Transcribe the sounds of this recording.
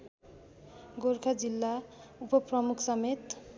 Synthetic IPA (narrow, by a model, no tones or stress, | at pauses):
ɡorkʰad͡zilːaupʌprʌmukʰsʌmet̪